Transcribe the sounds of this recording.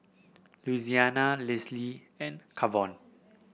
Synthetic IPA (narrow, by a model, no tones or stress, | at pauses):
luizianalɛsli | ɛ̃nkʰavɔ̃n